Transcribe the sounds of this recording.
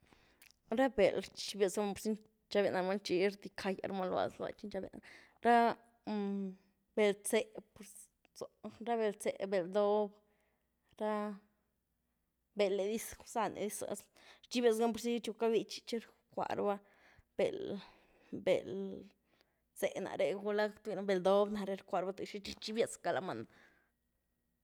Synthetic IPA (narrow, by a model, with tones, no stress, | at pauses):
ɾa˦be˨lt͡ʃi˧be˧sɡa˧mpo˧ɾsi˦n | t͡ʃa˧be˧˨na˧ɾma˦nt͡ʃi˧˦ɾd̪i˧kʰa˧ja̰˧ɾma˦lwa̰˨sla̰˨t͡ʃi˦nt͡ʃa˦bḛ˧˨na | ɾa˦ | be˨lt͡se˧po˧ɾ | t͡so˨ɾa˦be˧lt͡se˨be˨ld̪o˦b | ɾa˦ | be˧lːe˨d̪i˦ssa˧nʔḛ˨d̪i˦sa̰˧s | ɾt͡ʃi˦bʲja˧t͡sɡa˦mpo˧ɾsi˦t͡ʃu˧ka˦bi˧t͡ʃi̥˧t͡ʃe˦ɾ | kʷa̰˧˨ɾba˦ | b̥e˨l | bḛ˨l | t͡se˨na̰˨ɾe˧ɡu˧la˦kt̪i˧na˧be˨ld̪o˦bna˧ɾe˧ɾkʷa˧ɾba˦t̪u˨ʃi˦t͡ʃi˦t͡ʃi˦bja˧t͡ska˨˧la˧ma˧n